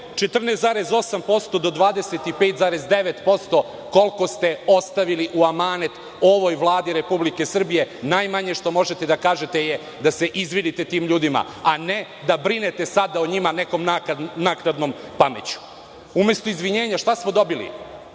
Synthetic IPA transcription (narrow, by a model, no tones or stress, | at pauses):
t͡ʃet̪r̩neszaːɾe̞zo̞sampo̞st̪o̞d̪o̞d̪ʋaːd̪e̞set̪ipe̞ːt̪zaːɾe̞zd̪e̞ʋet̪po̞st̪o̞ | ko̞lko̞st̪e̞o̞st̪aʋiliʔuamaːnet̪ | o̞ʋo̞jʋlˠaːd̪iɾe̞publike̞sr̩bije̞najmaɲeʃt̪o̞mo̞ʒe̞t̪e̞d̪akaːʒe̞t̪eje | d̪ase̞ʔizʋid̪it̪e̞t̪iːmʎuːd̪ima̰ | ane | d̪abɾine̞t̪e̞sad̪aoɲimaneko̞mnaknaknad̪no̞mpamḛt͡ɕu̥ | ume̞st̪oizʋiɲeːɲaʃt̪asmo̞d̪o̞bilḭ